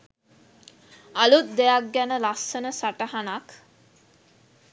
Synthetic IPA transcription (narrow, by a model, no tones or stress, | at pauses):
alut̪̚d̪ejak̚ɡænəlasːənəsaʈəɦanak